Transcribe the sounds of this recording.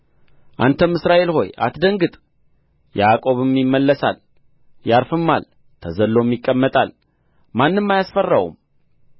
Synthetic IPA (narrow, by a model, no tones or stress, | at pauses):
ʔant̪ʰəmɨsɾaʔe̞lho̞̰ja̰t̪d̪əŋɡɨt̪ʼ | jakʼo̞βɨmjɪmːəlːəsa̰l | jaɾfɨmːa̰l | t̪ʰəzəlːo̞mjɪkʼːəmːət̪ʼal | manːɨmːajasfərːəwṵm